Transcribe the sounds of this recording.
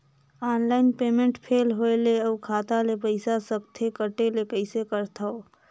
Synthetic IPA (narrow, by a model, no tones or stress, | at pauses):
aːnlaːɪnpeːmẽɳʈpʰeːlɦoeleəːkʰaːt̪alepəɪsasək̚t̪ʰekəʈelekəɪsekəɾt̪ʰao